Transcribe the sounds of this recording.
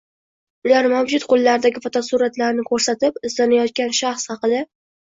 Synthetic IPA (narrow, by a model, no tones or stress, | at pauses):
ʊlaɾmawd͡ʒʊt̪qʰolˠːaɾɪd̪aɡʲɪfɒt̪ʰɒsuɾat̪laɾnɪkʰɵɾsat̪ɪpɪzlanajɒt̪̚kʲanʃaχshɑqɨd̪a